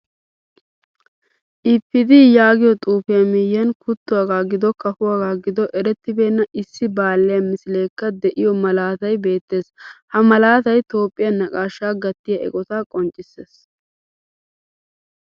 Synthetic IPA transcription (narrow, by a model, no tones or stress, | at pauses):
ʔɪpːɪd̪ijaːɡɪjɔt̪ʼuːfɪjɐmɪjːɐnkʰʊt̪ːʊwaːɡaːɡɪd̪ɔkɐfʊwaːɡaːɡɪd̪ɔʔɛɾɛt̪ːɪbe̞ːnːɐʔɪsːɪbaːlːɛjɐmɪsɪle̞ːkːɐd̪ɛʔɪjɔmɐlaːt̪ɐjbe̞ːt̪ːe̞ːshɐmɐlaːt̪ɐjt̪o̞ːpʼːɪjɐnːɐkʼaːʃːaːɡɐt̪ːɪjɐɛ̰kʼɔt̪aːkʼɔnt͡ʃʼːɪseːs